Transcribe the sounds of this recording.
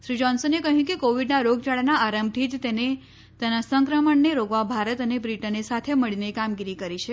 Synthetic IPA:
ʃɾid͡ʒɔnsənekəɦjũkekoʋiɖnaɾoɡt͡ʃaɭanaaɾəmbʈ̪it̪t̪ene | t̪enasəŋkɾəməɳneɾoɡʋabʱaɾət̪ənebɾiʈənesat̪ʰeməɭinekamɡiɾikəɾit͡ʃʰe

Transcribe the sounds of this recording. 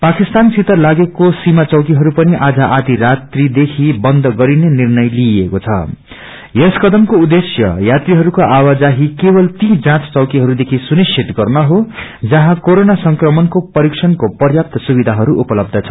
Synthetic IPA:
pakist̪ansʰit̪ʌlaɡekosimat͡sʌwkiɦʌɾupʌniʔad͡zʌʔad̪iɾat̪rid̪ekʰibʌnd̪ʱʌɡʌɾinenirnʌjliekot͡sʰʌ̰ | jeskʌd̪ʌmkoud̪esjʌ̰jat̪riɦʌɾukoʔawad͡zaɦikebʌlt̪id͡zãt͡st͡sʌwkiɦʌɾud̪ekʰisunisʰit̪ɡʌrnʌɦod͡zʌɦãkoɾonasʌŋkrʌmʌnkopʌɾiksʰʌnkopʌrjap̚t̪ʰʌsubid̪ʱaɦʌɾuʔupʌlʌb̚d̪ʱʌt͡sʰʌ̥

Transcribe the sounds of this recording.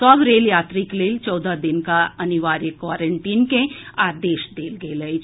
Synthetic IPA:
sɔbɾeːljaːt̪ɾikleːlt͡ʃɔːd̪ad̪ɪnkaɐnɪʋaːɾjəkːwaːɾə̃ɳʈiːnkeaːd̪eːʃd̪eːlɡelɐet͡ʃ

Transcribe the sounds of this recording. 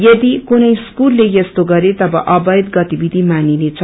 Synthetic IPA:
jʌd̪ikunʌjskulːejʌst̪oɡʌɾet̪ʌbʌʔʌbʌjd̪ɡʌt̪ibid̪ʱimaninet͡sʰʌ

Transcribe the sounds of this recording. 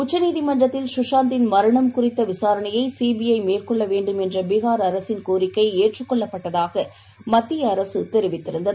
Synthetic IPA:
ʊt͡ʃːɐniːðɪmɐɳrɐt̪ːɪlʃʊʂaːnt̪ɪnmɐɾɐɳɐmkʊrɪt̪ːɐʋɪsaːɾɐɳɐjɐɪsiːbɪjɐɪmeːrkɔɭːɐʋeːɳɖɯmɛndrɐbɪɣaːɾɐɾɐsɪnkoːɾɪkːɐɪeːʈrɯkːɔɭːɐpːɐʈːɐðaːɣɐ | mɐt̪ːɪjɐːɾɐsɯt̪ɛɾɪʋɪt̪ːɪɾɯnd̪ɐ

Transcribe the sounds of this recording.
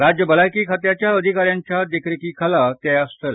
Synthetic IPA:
ɾad͡ʑjəbəlajkiːkʰat̪jat͡ɕjaəd̪ʱikaɾjaɲt͡ɕjad̪ekɾikiːkʰalat̪jajast̪əl

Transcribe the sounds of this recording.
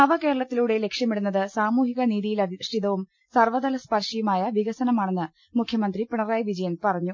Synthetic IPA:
nɐʋɐkeːɾɐɭɐt̪ːiluɽe̞le̞kʂjɐmiɽunːɐðɨsaːmuːɦiɣɐniːðijilɐdʂʈiðɐʋum | sɐrʋɐd̪ɐlɐspɐrʂijumaːjɐʋiɣɐsɐnɐmaːɳe̞nːɨ | mukʰjɐmɐnd̪ripiɳɐraːjʋid͡ʑɐjɐnpɐrɐɲːu

